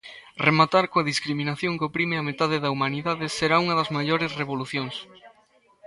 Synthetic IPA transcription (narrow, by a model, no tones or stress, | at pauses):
remat̪aɾkoɐðiskɾiminaθjoŋkopɾimeɐmet̪aðeðɐumaniðaðɪseɾauŋɐðɐzmaʎoɾesreβ̞oluθjoŋs